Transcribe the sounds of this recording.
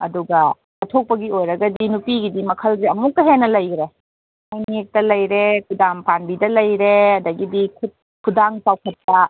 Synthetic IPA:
ɐduɡɐ | ɐtʰok̚pɐɡiojɾɐɡɐdinupiɡidimɐkʰɐlziɐmuk̚tɐɦenːɐlɐjɡɾe | ajnek̚tɐlɐjɾekʰudaŋpanbidɐlɐjɾeɐdɐɡidikʰut̚ | kʰudaŋt͡ʃawkʰɐt̚ːɐ

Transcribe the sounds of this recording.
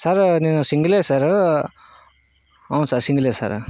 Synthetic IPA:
saɾniːnusiŋɡɐleːsaːɾ | ɐʋnsaːɾsiŋɡɐleːsa̰ːɾ

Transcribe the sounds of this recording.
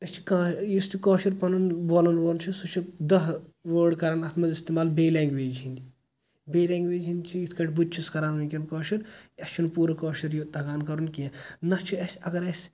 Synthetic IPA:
ɐst͡ʃʰi̥kãːjust̪ʰikoːʃɐɾpɐnunboːlɐnʋoːɾnt͡ʃʰisut͡ʃʰid̪ɐɦʋoːɖkɐɾaːnaːt̪ʰmɐzist̪iːmaːlbeːlaːŋɡʋeːd͡ʒɦĩnd̪i | beːleːŋɡʋeːd͡ʒɦind̪ʲt͡ʃʰijit̪ʰkɐʈʰʲbud̪̚t͡ʃʰiskɐɾaːnunʲkʲɐnkoːʃɐɾɐst͡ʃʰunpuːɾɐkoːʃɐɾjut̪ɐɡaːnkɐɾunkijãnɐt͡ʃʰiɐsʲɐɡɐɾɐsʲ

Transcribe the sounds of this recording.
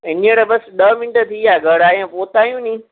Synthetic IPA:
enẽɽəbəsɗəmɪnʈət̪ʰijaɡəɽaːjãpoːt̪aːjũːnĩː

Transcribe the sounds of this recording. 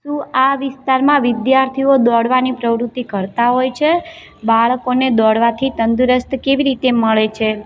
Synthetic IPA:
tũaʋɪst̪aɾmãʋɪd̪jaɾt̪ʰiod̪ɔɽʋanipɾəʋɾut̪ːikəɾt̪aɦojt͡ʃʰe | baɭkoned̪ɔɽʋat̪ʰit̪ənd̪uɾəst̪keʋiɾit̪eməɭet͡ʃʰe

